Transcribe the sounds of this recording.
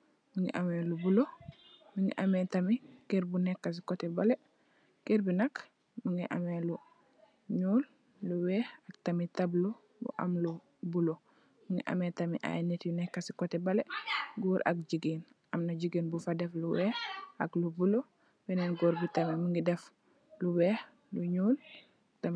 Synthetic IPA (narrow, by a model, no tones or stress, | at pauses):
miŋḭʔamɛlubulo | miŋɡḭʔɐmɛtamikeɾbunɛkːas̬ikɔtɛbalɛ | keɾbinak | miŋiʔa̰melu | ɲuːl | luwɛak̚tɐmitablu | bṵʔa̰mlu | bulo | miŋɡḭʔa̰mɛtɐmḭʔa̰jnɛtjunɛkːasi̥kɔtɛbɐlɛɡɔːɾʔɐ̰k̚d͡ʒiɡin | ʔɐmnaɟiɡiːnbufadɛfluwɛːhɐklubulo | bɛnɛnɡoːɾbitɐmimiŋɡidɛf | luwɛh | luɲuːl | tam